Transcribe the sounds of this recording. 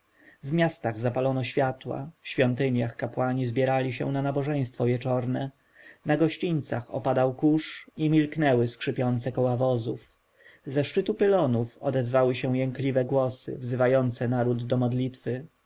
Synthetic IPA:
vmʲjast̪aɣzapalɔnɔɕfʲjat̪wa̰fɕfʲjɔnt̪ɘɲjaxkapwaɲizbʲjɛɾalʲiɕɛ̰̃nanabɔʐɛj̃st̪fɔvʲjɛt͡ʂɔɾnɛ | naɡɔɕt͡ɕint̪saxɔ̰pad̪awkuʂimʲilknɛwɘskʂɘpʲjɔnt̪sɛkɔwavɔzuf | zɛʂt͡ʂɘt̪upɘlɔnufɔ̰d̪ɛzvawɘɕɛw̃jɛŋklʲivɛɡwɔsɘ̰vzɘvajɔnt̪sɛnaɾud̪ːɔmɔd̪lʲit̪fɘ

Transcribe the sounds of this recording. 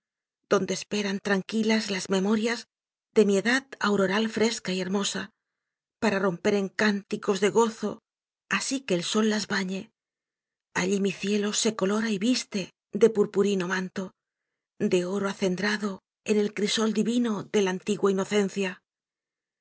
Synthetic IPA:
d̪̥o̞nd̪espe̞ɾant̪ɾaŋkilazlazme̞mo̞ɾjaz | d̪e̞mie̞ðaðawɾo̞ɾalfɾe̞skaie̞ɾmo̞sa | paɾaro̞mpe̞ɾe̞ŋkant̪iko̞zðe̞ɣo̞θo̞ | asike̞ːlso̞lːazβaɲe̞ | aʎimiθje̞lo̞se̞ko̞lo̞ɾaiβist̪e̞ | d̪e̞puɾpuɾino̞mãnt̪o̞ | d̪e̞o̞ɾoaθe̞nd̪ɾaðo̞ | e̞ne̞lkɾiso̞ld̪iβino̞ðe̞lant̪iɣwaino̞θe̞n̟θja

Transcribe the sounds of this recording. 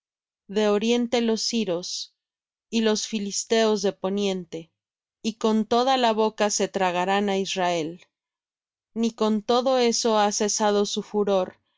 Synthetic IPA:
ðe̞o̞ɾje̞nt̪e̞lo̞siɾo̞s | ilo̞sfilist̪e̞o̞zðe̞po̞njẽ̞nt̪e̞ | iko̞nt̪o̞ð̞alaβo̞kase̞t̪ɾaɣ̞aɾanaizrae̞l | niko̞nt̪o̞ðo̞e̞so̞ase̞sað̞o̞sufuɾo̞ɾ

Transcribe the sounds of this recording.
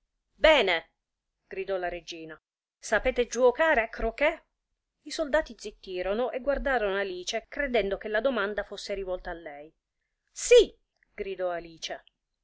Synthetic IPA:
bɛːne | ɡ̥ɾid̪ɔlaɾed͡ʒiːna | sapɛːt̪ed͡ʒuokaːɾeakːɾoke | isold̪aːt̪id̪zit̪ːiːɾonoʔeɡward̪aːɾonoaliːt͡ʃekɾed̪ɛnd̪okelːad̪omand̪afosːeɾivɔlt̪aːlːɛj | si | ɡ̥ɾid̪ɔaliːt͡ʃe

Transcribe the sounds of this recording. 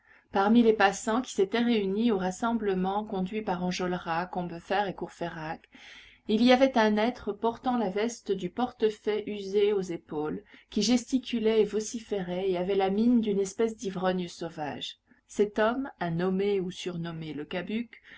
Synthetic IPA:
paʁmilepasɑ̃kʲi̥set̪ɛʁeynioʁasɑ̃bləmɑ̃kɔ̃d̪ɥipaʁɑ̃ʒɔlʁakɔ̃bəfɛʁekuʁfeʁak | iliavɛt̪ɛ̃nɛt̪χəpɔʁt̪ɑ̃lavɛst̪əd̪ypɔʁt̪əfɛʔyzeozepolkʲiʒɛst̪ikʲylɛevɔsifeʁɛeavɛlamind̪ynɛspɛs̬d̪ivʁɔnjəsova̰ʒ | sɛt̪ɔmanɔmeusyʁnɔmeləkabyk

